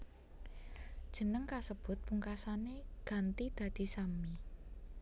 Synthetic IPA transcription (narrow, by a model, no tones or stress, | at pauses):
d̥ʒ̥ə̤nəŋkasəb̥ʊ̤t̪̚puŋkasaneɡ̥ä̤nt̪id̪̥ä̤d̪̥i̤sami